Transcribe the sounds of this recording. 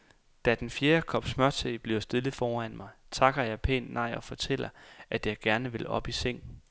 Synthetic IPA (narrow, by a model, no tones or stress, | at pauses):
d̥æd̥enfje̝ːɐkʰɒ̽b̥smɶɐt͡sʰeɪb̥liʊsd̥e̝lð̩ˠfɒːæn̰mɑ̈ɪt͡sʰɑ̈ɡ̥ɐjɑ̈ɪpʰḛːnːɑ̈ɪ̰ɒ̽fɒ̽t͡sʰel̰ɐʔæd̥jɑ̈ɪɡ̥æɐnəʋe̝lɒ̽b̥iseŋ̰